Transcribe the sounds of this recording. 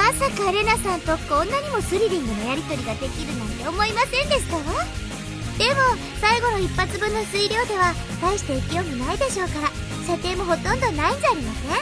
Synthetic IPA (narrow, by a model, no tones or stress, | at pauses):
masakaɾe̞nasãnt̪o̞kõnːaɲ̟imo̞sɨɾʲiɾʲĩŋɡɯ̟no̞jaɾʲit̪o̞ɾʲiɡad̪e̞kʲiɾɯ̟nãnt̪e̞o̞mo̞imasẽ̞nd̪e̞ɕi̥t̪ao | d̪̥e̞mo̞ | saiɡo̞no̞ipːat͡sɨbɯ̟̃nːo̞sɨiɾʲo̞ːd̪e̞βa | t̪aiɕi̥t̪e̞ikijo̞ːmʲinaid̪e̞ɕo̞ːkaɾa | ɕat̪e̞ːmo̞ɦo̞t̪õ̞nd̪o̞naizːɾʲimasẽ